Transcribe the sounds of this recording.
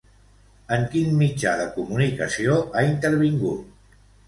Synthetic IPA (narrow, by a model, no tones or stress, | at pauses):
əŋkinmid͡ʒaðəkumunikəsioaint̪əɾβiŋɡut̪